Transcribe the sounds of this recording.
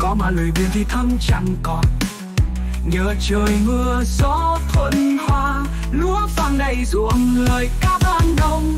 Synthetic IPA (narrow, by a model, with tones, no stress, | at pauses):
kɔ˨˦maː˨˩lo˨˩jvḭ˨˧˨ənt̪ʰi˨˩t̪ʰə˧ŋ͡mt͡ɕa̰˧˨˩ŋkɔ˨˩t̚ | ɲəː˨˩t͡ɕəː˨˩jmɨ˧əzɔ˧˦t̪ʰwə˧˨nhwaː˧ | lu˧˦əfaː˨˩ŋɗə˧˨˩jzu˧˩əmləː˨˩jkaː˦˥k̚aː˧˩nɗə˧wŋ͡m